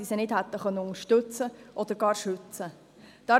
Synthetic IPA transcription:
isənɪd̥hɛt̪ːəχœnːəʊŋəʃtɵt͡səʔɔd̥̪əɾɡɑːɾʃʉt͡sə | d̥ɑ

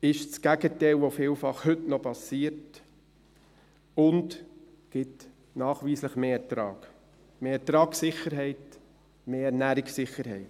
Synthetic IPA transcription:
ɪʃskæɡ̥ətɛɪlʋofɪːlfɑχhʏtnɔpɑsiːəɾt | ʊnd | ɡ̥ɪt | nɑːχʋiːsləχmeːɛtɾɑːɡ̥ | meːɛɾtɾɑːksɪχəɾɦɛɪt | meːɛɾnæːɾɪksɪχəɾɦɛɪt

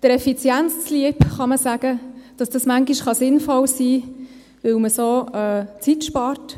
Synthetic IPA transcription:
d̥əɾɛfit͡sjænt͡st͡sliəpχɑməsæɡ̥əd̥ɑsd̥ɑsmæŋɡiʃχɑsɪnfɔlsiː | ʋɪwməsoːɛːt͡sitʃpɑːrt

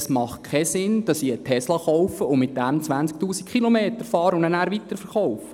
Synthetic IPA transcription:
smɑχt̚kʰɛsɪnd̥ɑsiətʰɛslɑχɔʊfəʊnmɪt̚d̥æmt͡sʋænt͡sk̚tuːsi̥kχilomeːtəɾfɑːɾəʊndənæːɾʋitəɾfəɾχɔʊfə

